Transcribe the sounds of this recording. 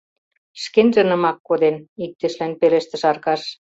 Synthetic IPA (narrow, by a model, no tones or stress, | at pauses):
ʃkenʒĕnɤ̆mɑkːod̪enik̚t̪ĕʃlænpelĕʃt̪ɘ̆ʃɑrkɑʃ